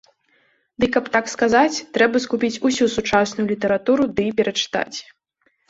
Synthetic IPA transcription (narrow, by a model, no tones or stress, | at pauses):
d̪ɨkɐpt̪akskazat͡sʲt̪ɾɛbɐskupʲit͡sʲusʲusut͡ʂasnʊjulʲit̪ɐɾat̪uɾud̪ɨpʲɛɾɐt͡ʂɨ̥t̪a̰t͡sʲ